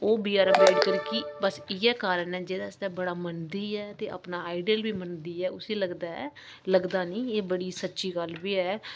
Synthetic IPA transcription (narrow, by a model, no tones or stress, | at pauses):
oːbiːaːɾbeːkəɾkibəsɪjɛːkaːɾənɛːd͡ʒeːd̪aːsd̪ɛːbəɽaːmənd̪iːɛːt̪eːʔə̰pnaːaːɪɖiːəlbiːmənd̪iːɛːʊsiːləɡd̪aːɛː | ləɡd̪aːnĩːeːbəɽiːsətːʃiːɡəlbiːɛː